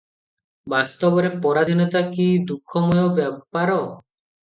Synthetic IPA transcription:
bast̪ɔbɔɾepɔɾad̪ʱinɔt̪akid̪ukʰːɔmɔjobɛpaɾɔ

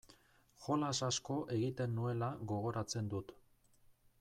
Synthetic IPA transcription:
xo̞lasasko̞ʔe̞ɣit̪e̞nːue̞laɣo̞ɣ̞o̞ɾat͡se̞nd̪ut̪

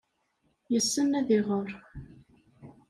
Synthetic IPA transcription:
jəsːənːæðɪʁəɾˤ

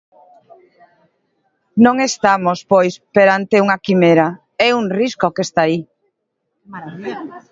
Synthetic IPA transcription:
nõŋest̪amospojspeɾant̪euŋakimeɾa | ɛuŋriskokest̪ai

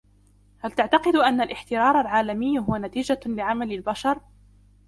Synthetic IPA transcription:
halt̪aʕt̪ɑqɨd̪ʔanːalʔɪħt̪ɪɾɑːɾˤalʕaːlamɪjːɦʊwanat̪iːd͡ʒalɪʕamalalbaʃɑɾˤ

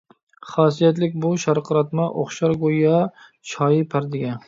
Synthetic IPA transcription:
χɑːs̬ijɛt̪lɪkʲbuʃɑɾqʰəɾɑt̪mɑʔo̰χʃɑɾɡojɑ | t͡ʃʰɑːjɪpʰæɾd̪ɪɡʲɛn

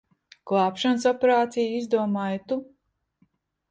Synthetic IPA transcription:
klˠɑːpʃans̬ɔpeɾaːt̪sijizd̪uɔmaːjt̪u

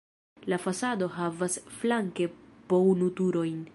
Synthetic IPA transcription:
lafasado̞ɦavasflaŋke̞pownut̪uɾo̞jn

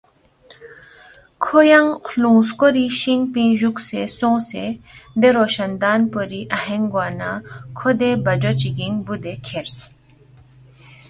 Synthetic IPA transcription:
kʰojɐŋxlũːskoɾiʃiŋɡpĩːʑuksesõːsed̪eɾoːʃɐnd̪aːnpoɾiʔɐɦeŋɡwaːnakʰod̪ebɐd͡ʒot͡ʃiɡĩŋɡbud̪ekʰeɾs

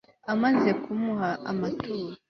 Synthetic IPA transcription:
amaze̞kumuhaamatuːɾa

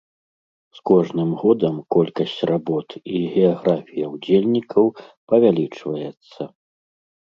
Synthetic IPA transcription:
skɔʐnɨmɣɔd̪ɐmkɔlʲkɐsʲt͡sʲrabɔt̪iɣʲɛaɣɾafʲijɐwd͡zʲelʲnʲikɐwpɐvʲalʲit͡ʂvɐjɛt̪sːɐ

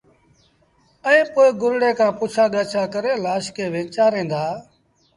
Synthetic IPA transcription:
əĩːpoːeːɡʊɾɽeːkãːpʊːt͡ʃʰaːɠəːt͡ʃʰaːkəɾeːlaːʃkeːʋẽːt͡ʃaːɾẽːnd̪aː

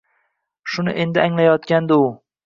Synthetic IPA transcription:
ʃʊnɪ̰ʔe̞nd̪ɪaŋlajɒt̪̚kʲand̪ɪʊ

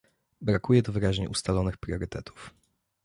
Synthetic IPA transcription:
bɾakujɛd̪ɔvɘɾaʑɲɛ̰ʔust̪alɔnɘxpɾʲjɔɾɘt̪ɛt̪ʰu̥f

